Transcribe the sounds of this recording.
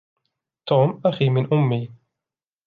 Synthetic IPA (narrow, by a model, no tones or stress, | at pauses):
t̪uːmʔaxiːmɪnʔʊmːiː